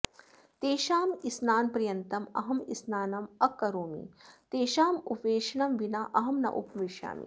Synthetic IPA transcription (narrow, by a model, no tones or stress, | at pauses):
t̪eːʃaːmisnaːnpɾɐjɐnt̪ɐmɐ̰ɦɐmisnaːnɐmɐkːɐɾoːmḭt̪eːʃaːmupʋeːʃɐɳɐmʋinɐʔɐɦɐmnɐ̰ʔupɐʋiʃja̰ːmḭ